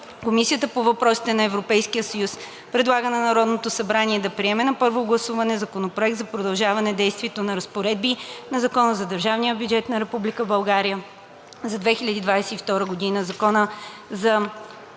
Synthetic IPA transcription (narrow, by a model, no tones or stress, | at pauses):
komisiət̪əpovɐpɾɔsi̥t̪ɛnɐɛvɾopɛjskijəsɐjus | pɾɛd̪lˠaɡənɐnɐɾɔd̪not̪osɐbɾaniɛd̪ɐpɾiɛmɛnɐpɤɾvoɡlˠɐsuvɐnɛzɐkonopɾoɛk̚t̪zɐpɾod̪ɐlˠʒavɐnɛd̪ɛjst̪vʲiɛt̪onɐɾɐspoɾɛd̪̚binɐzɐkɔnəzɐd̪əɾʒavnijəbʲjud͡ʒɛt̪nɐɾɛpublikəbɐlˠɡaɾijə | zɐd̪vɛxilʲəd̪id̪vajsɛift̪ɔɾəɡod̪inəzɐkɔnəzɐ